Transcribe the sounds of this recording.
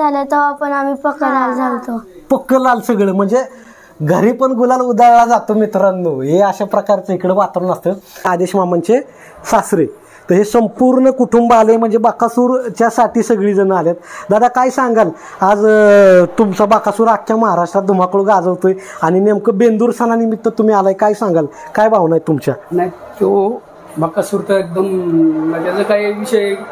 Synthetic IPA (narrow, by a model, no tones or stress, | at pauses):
d͡zalət̪ɔapəɳamipəkːəlald͡zʱalt̪opəkːəlalsəɡɭəm̤əɳd͡ze | ɡʱəɾiːpəɳɡulalud̪aɾɭad͡zat̪omit̪ɾanːoɦeəɕapɾəkaɾt͡səikɽəʋat̪ɾunəst̪əad̪eɕmamant͡ɕe | sasɾe | t̪əɦesəmpuɾɳəkuʈʰumbaləjm̤əɳd͡zebakasuːɾt͡ɕjasaʈiːsəɡɭiːd͡zənəaljet̪̚d̪ad̪akajsãŋɡal | ad͡zt̪umt͡sabakasuːɾakʰjaməɦaɾaʂʈɾat̪̚d̪ʱum̤akəɽoɡad͡zəʋt̪ojaɽ̃inamkəbend̪uːɾsananimit̪ːət̪um̤iːalajkajsãŋɡalkajbaʋnajt̪umt͡ɕjanaj | t̪o | bakasuːɾt̪əek̚d̪əmmət̪jat͡səkaiʋiɕəje